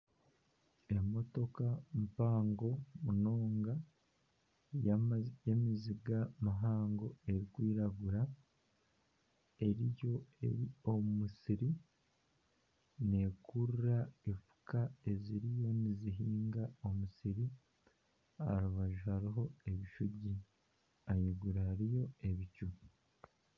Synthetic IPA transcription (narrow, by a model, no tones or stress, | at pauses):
e̞mo̞to̞kampaːŋɡo̞muno̞ːŋɡa | jjemiziɡamaɦaːŋɡo̞e̞ɾiɡwiːɾaɡuɾa | e̞ɾijo̞e̞̰ɾio̞mumusiɾi | ne̞ːkʰuɾuɾaefu̥kaeziɾijo̞niziɦiːŋɡao̞musiɾi | ha̰ɾuβaʒuhaɾiɦo̞e̞βiʃuɟi | ajiɡuɾahaɾijo̞e̞βicu